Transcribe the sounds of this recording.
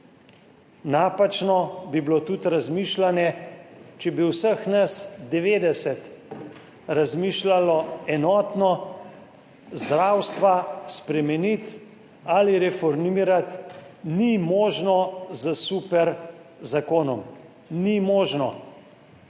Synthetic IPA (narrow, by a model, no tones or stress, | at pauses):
naːpat͡ʃnɔbiblot̪ut̪ɾazmiːʃlanjɛt͡ʃɛbiwsəxnasd̪ɛʋeːd̪ɛsɛt̪ | ɾazmiːʃlalɔɛnɔːt̪nɔ | zd̪ɾaːwst̪ʋaspɾɛmɛnit̪ | aliɾɛfɔɾmiːɾat̪nimɔːʒnɔzəsupɛɾzakoːnɔm | nimɔːʒnɔ